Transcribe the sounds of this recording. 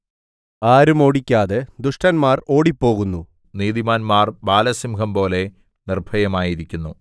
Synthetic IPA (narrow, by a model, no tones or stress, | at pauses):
aːɾumo̞ːɽikʲːaːðed̪uʂʈɐnmaːro̞ːɽipːo̞ːɣunːu | niːðimaːnmaːrbaːlɐsimkɐmpo̞ːle̞ | nirbʱɐjɐmaːjiɾikʲːunːu